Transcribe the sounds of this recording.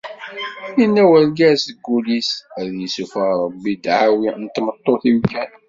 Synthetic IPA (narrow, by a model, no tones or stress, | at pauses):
inːæwəlɡæsəɡːulisəðjəsufəɾˤəbːid̪ʕawint̪ːmət̪ˤːoθiwkæn